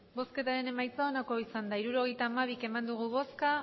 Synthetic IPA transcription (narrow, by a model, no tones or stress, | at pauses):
bo̞ske̞t̪aɾe̞ne̞majt͡sao̞nako̞isand̪aiɾuɾo̞ɣ̞e̞jt̪aːmaβ̞ike̞mand̪uɣ̞uβo̞ska